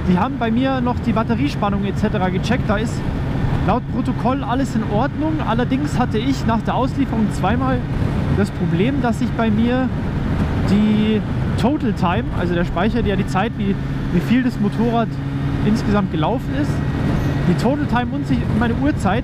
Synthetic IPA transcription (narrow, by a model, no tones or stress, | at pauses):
d̥iːhaːbm̩baɪmiːɐnɔχd̥iːbatəʁ̞iːʃpanʊŋet͡sɛtəʁaːɡət͡ʃɛk̚t̚d̥aːɪst | laʊt̚pʁ̥otokʰɔlʔaləsɪnʔɔɐdnʊŋʔa̰lɐdɪŋshatəɪçnaːχd̥eːɐʔaʊsliːfəʁʊŋt͡sv̥aɪmaːld̥aspʁ̥obleːmdasz̥ɪçb̥aɪmiːɐ | d̥iːtʰoːtl̩tʰaɪmʔa̰lzodeːɐʃpaɪçɐjaːdiːt͡saɪtv̥iː | viːfiːldasmotʰoːʁ̞aːt | ʔɪnsɡ̥əzamt̚ɡ̥əlaʊfn̩ɪstd̥iːtʰoːtl̩tʰaɪmʊntz̥ɪçʊmmaɪnəʔuːɐt͡saɪt